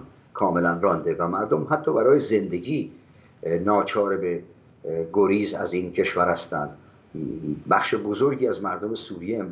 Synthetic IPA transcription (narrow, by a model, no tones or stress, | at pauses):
kʰɒːme̞lænrɒnd̪evæmæɾd̪omɦæt̪ʰːɒːbæɾɒːjeze̞nd̪e̞ɡiː | nɒːt͡ʃʰɒːɾebe | ɡoɾiːzæ̰ziːncʰe̞ʃvæɾhæst̪ænd̪ | bæxʃebozoɾɡiːæzmæɾd̪ome̞suːɾijeːm